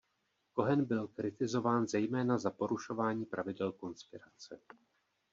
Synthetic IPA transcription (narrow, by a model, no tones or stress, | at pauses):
ko̞ɦɛnbɪlkɾɪt̪ɪzo̞vaːnzɛjmɛːnazapo̞ɾuʃo̞vaːɲiːpɾʔavɪdɛlko̞nspɪɾat͡sɛ̰